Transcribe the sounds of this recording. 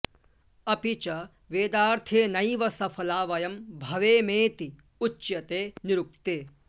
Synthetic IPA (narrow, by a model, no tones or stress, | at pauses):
ɐpit͡ʃɐ | ʋeːd̪aːɾt̪ʰeːnɐjʋɐsɐpʰɐlaːʋɐjɐmbʱɐʋeːmeːt̪i | ut͡ʃːjɐt̪eːniɾuk̚t̪eː